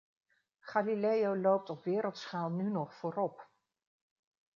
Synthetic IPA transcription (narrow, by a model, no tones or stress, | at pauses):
χaːlilejowlowp̚tɔpʋɪːɾəlˠtsχaːlˠnynɔχfʊːɾɔp